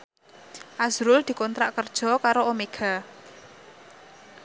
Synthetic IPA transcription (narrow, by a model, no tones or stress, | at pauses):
ʔazɾʊld̪̥i̤kɔnt̪ɾaʔkərd̥ʒ̥ɔ̤kaɾoomeɡ̥a̤